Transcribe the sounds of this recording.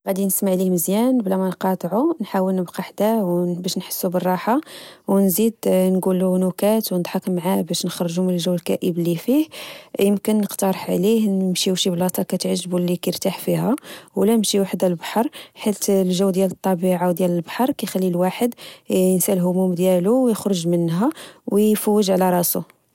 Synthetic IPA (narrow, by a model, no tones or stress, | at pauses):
ɣæd̪inəsmaʕlihməzjænblæmænqɑt̪ˤʕunħawəlnəbqɑħd̪æwbæʃnħə̥sːubərˤːɑħawnzid̪nɡulunukæt̪wnd̪ˤħɑkmʕabæʃnəxɾˤʒumənəlʒəwːəlkæʔəblifihjəmkənːəqt̪ɑɾˤəħʕlihəmʃiwʃiblɑt̪ˤɑkæt̪ʕʒːbulːikæɾt̪aħfihæwlænəmʃiwaħd̪ælbħɑɾˤħit̪lʒəwːd̪jælət̪ˤːɑbiʕawd̪jæləlbħɑɾˤkæjxælːilwaħəd̪nsælɦʊmumd̪jæluwjəxɾoʒmənːɦæwjfəwːəʒʕlæɾˤɑsu